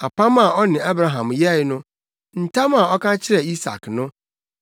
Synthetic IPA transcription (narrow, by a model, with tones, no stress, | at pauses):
a˨pʰa˦ma˨ɔ˦nɪ̃˨a˦bɾa˨ɦã˨mjɛ˦˨˦nʊ̃˦ | n̩˨tʰa˦ma˨ɔ˦kʰã˦t͡ɕʰɪ˦ɾɛ˨i˦sa̰˨knʊ̃˦